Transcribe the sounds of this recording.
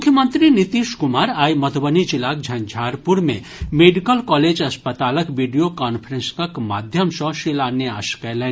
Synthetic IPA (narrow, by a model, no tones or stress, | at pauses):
mukʰjəmənt̪ɾinit̪iʃkʊmaːɾaːjmɐt̪ʰbənid͡ʒilaːk̚d͡ʒʱɐnd͡ʒʱaːɾpuɾmḛ̃ | meɖikəlkɔled͡ʒɐspət̪aːləkʋiɖijokanpʰɾẽnskɐkma̰ːd̪ʱjəmsɔ̃ʃilaːneaːʃkɛlɛ